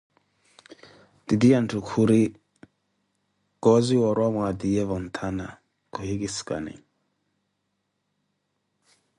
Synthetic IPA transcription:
d̥idiantʰukʰuɾi | ɡ̥ɔziwɔɾwamwadijɛvɔn̩t̪ʰana | kɔhiɡɪska̰nɛ̰

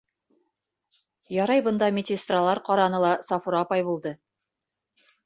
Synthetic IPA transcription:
jɒɾɑjbɤ̆nd̪ɑmʲɪt̪ʲɪst̪ralˠɑɾqɒɾɑnɤlˠɑsɑfuɾɑːpɑjbulˠd̪ɤ

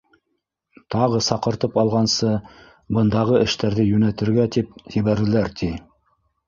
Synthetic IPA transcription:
t̪ɑʁɤsɑqɤ̆ɾt̪ɤpɑlˠʁɑnsɤ | bɤ̆nd̪ɑʁɤɘ̆ʃt̪æɾðɘjʉnæt̪ɘ̆ɾɡæt̪ip̚hɘ̆βæɾɘ̆læɾt̪ʰi

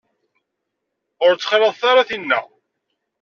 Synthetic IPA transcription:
ʊɾt͡sːə̥χɾˤeðˤθaɾaθinːæ̰

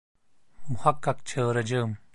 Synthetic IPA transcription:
mʊhɐkːɐkt͡ɕʰəːɾɐd͡ʑəːm

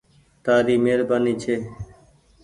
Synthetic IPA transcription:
t̪aːɾiːmeːɾbaːniːt͡ʃʰeː

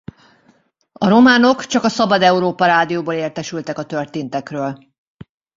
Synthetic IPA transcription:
ɒɾo̞maːno̞kt͡ʃɒkɒsɒbɒd̪ɛuɾoːpɒɾaːd̪ijoːboːleːrt̪ɛʃylt̪ɛkɒt̪ørt̪eːnt̪ɛkrøːl

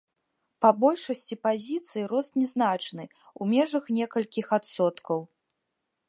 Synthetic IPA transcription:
pɐbɔlʲʂɐsʲt͡sʲipazʲit̪sɨjiɾɔst̪nʲɛznat͡ʂnɨ | umʲɛʐɐxnʲɛkɐlʲkʲixat̪sɔt̪kɐw

